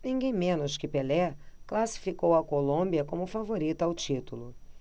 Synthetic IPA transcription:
nĩɡẽj̃mẽnʊskɪpelɛklasi̥fikowɐkolõmbiɐkõmʊfavoɾit̪ʊawt͡ʃit̪ulʊ

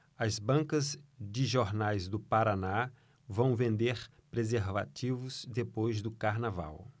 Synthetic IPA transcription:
ɐzbɐ̃ŋkɐzd͡ʒɪʒoɾnajzd̪ʊpaɾana | vɐ̃w̃vẽnd̪eɾ | pɾezeɾva̰tivʊzd̪epojzd̪ʊkaɾnava̰w

